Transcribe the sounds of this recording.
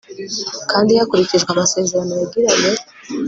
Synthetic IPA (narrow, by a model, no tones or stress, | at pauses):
kaːndijakuɾiciʒɡamase̞ːze̞ɾanoβaɡiɾajo